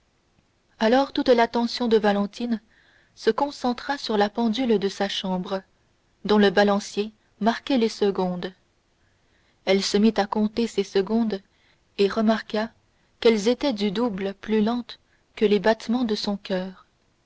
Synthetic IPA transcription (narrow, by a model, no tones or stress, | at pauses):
alɔʁt̪ut̪lat̪ɑ̃sjɔ̃d̪əvalɑ̃t̪in | səkɔ̃sɑ̃t̪χasyʁlapɑ̃d̪yld̪əsaʃɑ̃bʁ | d̪ɔ̃ləbalɑ̃sje | maʁkʲɛlesəɡɔ̃d̪ | ɛlsəmit̪akɔ̃t̪esesəɡɔ̃d̪ | eʁəmaʁka | kɛlzet̪ɛd̪yd̪ublplylɑ̃t̪ | kəlebat̪mɑ̃d̪əsɔ̃kʲœːʁ